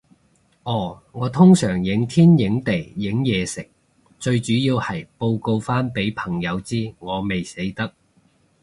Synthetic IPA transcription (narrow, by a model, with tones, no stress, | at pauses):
ʔɔː˨˩ | ŋɔː˨˧t̪ʰʊ˥ŋsœː˨˩ŋjɪ˨˥ŋt̪ʰiː˥njɪ˨˥ŋt̪e˨˩jːɪ˨˥ŋjɛː˨˧sɪ˨˩k̚ | t͡sɵ˧ɥt͡ʃyː˨˥jiː˧whɐ˨jpo˧wko˧wfaː˥npe˨˥jpʰɐ˨˩ŋjɐ˨˧wt͡siː˥ŋɔː˨˧me˨jse˨˥jt̪ɐ˥k̚